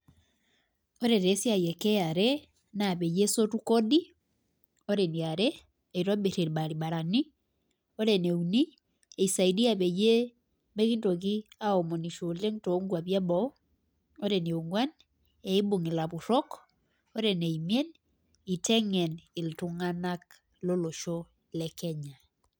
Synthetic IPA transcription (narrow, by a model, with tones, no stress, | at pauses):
o˦ɾe˨ɾe˨˦sja˨jɛ˨kɛ˦a˨ɾɛ˦ | na˨βe˨je˦so˦tu˦kɔ˦di˦ | o˦ɾe˨ni˨a˨ɾɛ˦ | e˨i˨ɾɔ˦be˨ɾe˨ɾba˨ɾi˨ba˨ɾa˨ni˦ | o˦ɾe˨ne˨u˨ni˦ | e˨i˨sa˨i˨di˦a˨βe˨je˦ | me˦ki˦nto˨ki˦a˦ɔ˨mɔ˨ni˨ʃo˨le˦ŋto˨˦ŋɡwa˨βja˦bɔ˦ | o˦ɾe˨ne˨u˨ŋɡwa˦n | ɛ˨i˦bo˨ŋi˨la˨βu˨ɾɔ˦k | o˦ɾɛ˨ne˨i˨mje˦n | i˨tʰɛ˦ŋɛ˨nɪ˨ltu˨ŋana˦k | lo˦lo˨ʃo˦ | lɛ˨kɛ˦ɲa˨